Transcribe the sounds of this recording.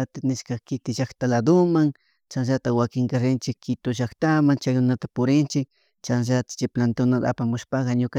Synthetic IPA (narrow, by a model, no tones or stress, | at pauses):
at̪anɪʃkakɪt̪ɪʃaxt̪alad̪ʊmaŋ | t͡ʃanʒat̪awakɪŋkaɾɪnt͡ʃɪkʰːɪt̪ʊʒakt̪amaŋt͡ʃajɾʊnat̪apʊɾɪnt͡ʃɪk | t͡ʃanʒat̪ḁt͡ʃɪplant̪ʊnad̪a̰pamʊʃpakɑɲʊka